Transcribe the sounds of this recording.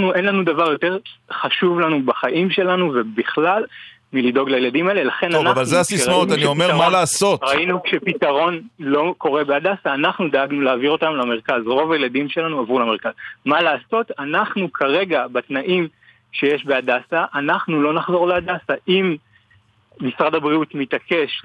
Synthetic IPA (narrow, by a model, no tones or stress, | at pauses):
nuʔenlanudavaʁjo̞te̞ʁχaʃuvlanubaχaʔimʃe̞lanuve̞biχlal | milido̞ɡlajeladimaele̞laχe̞nanaavalzeasismaot̪anniomemalaːso̞tʁainukʃepitaʁo̞nlo̞ko̞ʁe̞beadasaːnaχnud̪aaɡnuleːviʁo̞tamlame̞ʁ̞kazʁo̞vajeladimʃe̞lanuavulame̞ʁkazmalaːso̞tanaχnukʰaʁe̞ɡabatnaʔim | ʃe̞jeʃbe̞adasaʔanaχnulo̞naχzo̞ʁleadasaʔim | misʁadabʁiutmitake̞ʃ